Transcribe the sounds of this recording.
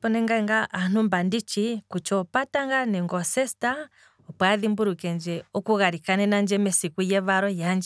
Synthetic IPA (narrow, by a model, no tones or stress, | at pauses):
pɔnɛŋɡaŋɡaʔːn̥umbandit͡ʃikut͡ʃɔpataŋɡanɛŋɡɔsɛsta | ɔpwaðimbuɾukɛnd͡ʒɛɔkuɣaɾikanɛnand͡ʒɛmɛsikujɛβaɾɔjand͡ʒɛ